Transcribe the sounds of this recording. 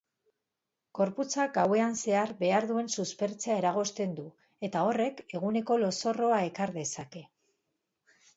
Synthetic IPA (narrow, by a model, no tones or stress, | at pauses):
ɡ̥o̞ɾput͡saɡawe̞anse̞aɾbe̞aɾðue̞nsuspeɾt͡seae̞ɾaɣ̞o̞st̪e̞nd̪u | e̞t̪ao̞re̞ke̞ɣune̞ko̞lo̞so̞ro̞ae̞kaɾðe̞sake̞